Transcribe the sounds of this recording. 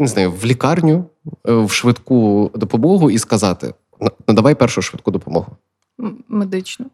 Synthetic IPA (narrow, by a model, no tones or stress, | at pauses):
nɪznɑjʊʋlʲikɑrnʲʊ | wʃʋɪd̪kud̪ɔpɔmɔɦʊiskɐzɑt̪ɪ̰ | nɐnɐd̪ɐʋɑjpɛrʃʊʃʋɪd̪̚kud̪ɔpɔmɔ̰ɦʊ | med̪ɪt͡ʃnɐ